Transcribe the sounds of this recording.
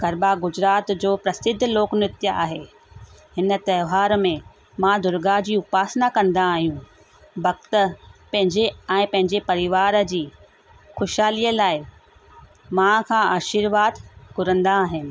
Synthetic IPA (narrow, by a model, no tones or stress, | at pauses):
ɡʱɐɾbaɡʊd͡ʑɾaːt̪d͡ʑoːpɾɐsɪd̪ʱːloːknɪt̪jəʔaːɦe | hɪnə̆t̪ɐːʋaːɾmẽ | mãd̪ʊɾɡaɦd͡ʑiːʊpaːsnakɐ̃nd̪aːɦijũ | bɐɡt̪ə̆pɐ̃ɦɪ̃ɲd͡ʑeɛ̃ːpɐ̃ɦɪ̃ɲd͡ʑepɐɾɪʋaːɾə̆d͡ʑiː | xʊʃaːliəlaːɪ | mãkʰãːaːʃiɾʋaːd̪kʊɾə̃nd̪aːɦɪnɪ̆